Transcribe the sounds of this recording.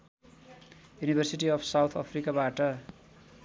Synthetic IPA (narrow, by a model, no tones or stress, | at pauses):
junibʱʌrsiʈiʌpʰsawt̪ʰʌpʰrikabaʈʌ